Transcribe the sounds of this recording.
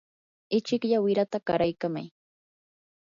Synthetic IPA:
ɪt͡ʃɪkʎawɪɾat̪aɢaɾajkama̰j

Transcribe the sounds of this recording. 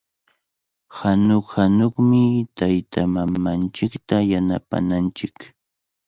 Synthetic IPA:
hanoχhanoχmɪt̪ajt̪amamant͡ʃɪkt̪ajanapa̰nant͡ʃɪk

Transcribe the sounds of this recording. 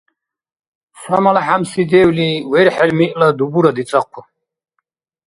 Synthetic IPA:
samalaħamsid̪ɛwliwɛɾħɛlmiʔʼlad̪ubuɾad̪it͡sʼaqʰːɔ

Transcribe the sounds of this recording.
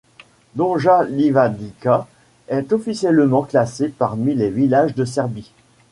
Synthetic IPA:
d̪ɔ̃ʒalivad̪ika | ɛt̪ɔfisjɛlmɑ̃klasepaʁmilevilaʒd̪əs̬ɛʁbi

